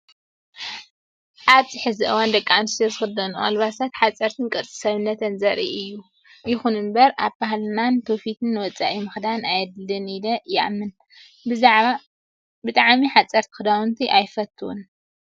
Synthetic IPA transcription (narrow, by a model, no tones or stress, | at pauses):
ʔaβzʼɨħɨziʔɨwand̪ɐkʼːamɨst̪ʰozɨxɨd̪ɐnuʔalβasat̪ħat͡sʼɐɾt̪ʰɨnkʼɨɾt͡sʼi̥sɐβɨnːɐt̪ʰɐnzɐɾḭʔɨjːu | jɪxunɨmbɐɾaβbaɦalɨnant̪ʰofit̪ʰɨnːɨwɔt͡sʼa̰ʔimɨxd̪anajɐd̪lɨnid̪ɐjɪʔamːɨn | bɨt̪ʼaʕmiħat͡sʼɐɾt̪ʰɨ̥xɨd̪awunt̪ʰiʔajfɐt̪ʰːɨwṵn